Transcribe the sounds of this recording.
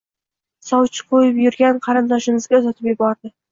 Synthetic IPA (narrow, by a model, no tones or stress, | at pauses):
sɒwt͡ʃʰɪ̥qʰojɪpjʊɾɡʲanqʰɑɾɨnd̪ɒʃɪnɪzɡʲaʊzat̪ʰɪpjɪbɒɾd̪ɪ